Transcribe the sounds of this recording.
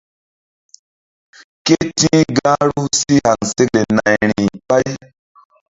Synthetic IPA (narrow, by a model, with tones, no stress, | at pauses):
ke˦tĩ˦ɡã˦ɾu˦si˦ha˨ŋse˦le˨na˨jɾĩ˨pa˦j